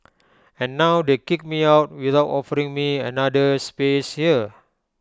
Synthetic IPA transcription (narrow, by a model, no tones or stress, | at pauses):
ɛ̃nːawdekik̚miawt̚wiθawtɔfəɾĩŋmiɛnadəspeshiə